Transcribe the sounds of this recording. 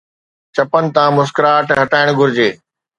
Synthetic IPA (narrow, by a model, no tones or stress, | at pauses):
t͡ɕɐpənɪ̆t̪ãːmʊskɾaːʈɦɐʈaːɪɽ̃ɡʱʊɾɪd͡ʑeː